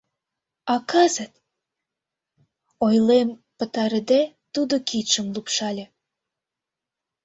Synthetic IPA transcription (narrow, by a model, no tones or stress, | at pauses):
ɑkɑzət̪ | ojlempə̆t̪ɑɾəd̪e | t̪ud̪okit̪ʃəmlupʃɑlʲe